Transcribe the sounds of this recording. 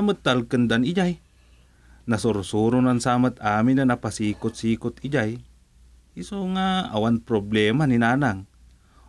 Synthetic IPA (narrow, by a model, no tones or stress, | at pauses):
mət̪ːalkɨnd̪anid͡ʒaj | nasʊɾʊsuɾʊnansamət̪aːmɪnanapasiːkʊt̪̚siːkʊt̪id͡ʒaj | isoŋaa̰wanpɾoblɛmaninanaŋ